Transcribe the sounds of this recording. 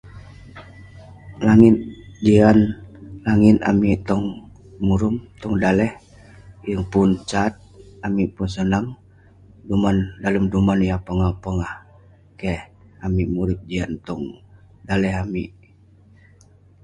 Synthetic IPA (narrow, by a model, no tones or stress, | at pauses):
laŋit̪̚dianlaŋina̰miʔt̪ɔŋ | muɾumt̪ɔŋdalɛh | jəŋpunt͡ʃat̪̚amipunsənaŋ | dumandaləmdumanjapəŋahpəŋah | kɛhamimuɾit̪̚diant̪ɔŋ | dalɛɦamiʔ